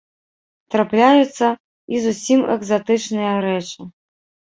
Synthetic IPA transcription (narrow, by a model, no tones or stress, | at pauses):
t̪ɾaplʲajut̪sːɐ | izusʲimɛ̰ɡzat̪ɨt͡ʂnɨjɐɾɛt͡ʂɨ